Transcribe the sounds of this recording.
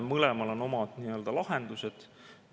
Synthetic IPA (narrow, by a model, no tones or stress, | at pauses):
mɤlɛmɑlo̞no̞mɑd̪̥niːø̞ld̪ɑlɑɦend̪̥used̪̥